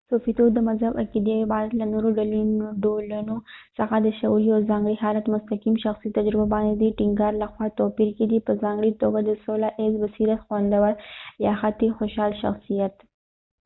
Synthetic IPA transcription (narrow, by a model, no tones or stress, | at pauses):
sofit̪od̪əmazhaba̰kid̪eibɑɾat̪lanoɾoɖalunoɖolunosaxad̪əʃauliawzɑŋɡɽiɦɑlat̪mʊst̪akimʃaxsit̪ad͡ʒɾɪbabɑnd̪ed̪iʈiŋɡɑɾlaxwɑt̪opiɾked̪ipəzɑŋɡɽit̪oɡad̪əsolaʔezbasiɾat̪xwand̪awaɾjɑxat̪ixoʃɑlʃa̰xsijat̪